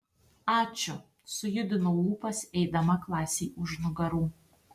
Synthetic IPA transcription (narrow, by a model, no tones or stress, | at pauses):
ɑːt͡ʃʲʊ | sʊjʊd̪ʲɪnouːpɐsɛjd̪ɐmɐklˠɑːsʲeːʊʒnʊɡɐɾuː